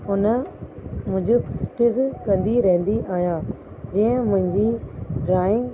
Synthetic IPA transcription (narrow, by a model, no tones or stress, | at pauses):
ʊnə | mʊ̃ɪ̃ɲd͡ʑʊpʈɪzkɐ̃nd̪iɾɛɦnd̪iʔaːɦjaː | d͡ʑiːə̃mʊ̃ɦɪ̃ɲd͡ʑiːɖɾaːɪ̃ŋɡ